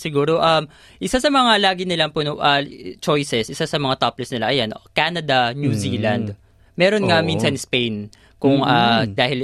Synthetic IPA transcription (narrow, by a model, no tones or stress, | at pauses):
sɪɡuːɾo̞ʔɐm | ʔɪsasɐmɐŋalaːɡɪnɪlɐmpʊnoʔat͡ʃo̞jsɛsʔɪsasɐmɐŋat̪aplɛsnɪlaʔɐjanʔokaːnɐd̪ɐnjuziːlɐnd̪ | mɛːɾonŋɐminsɐnspejn | kʊŋʔad̪aːhɪl